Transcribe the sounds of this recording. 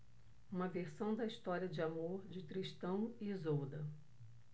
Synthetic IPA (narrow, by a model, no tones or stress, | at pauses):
ũmɐveɾsɐ̃w̃d̪ɐiʃt̪ɔɾiɐd͡ʒɪamoɾd͡ʒɪt̪ɾiʃt̪ɐ̃w̃ɪːzowd̪ɐ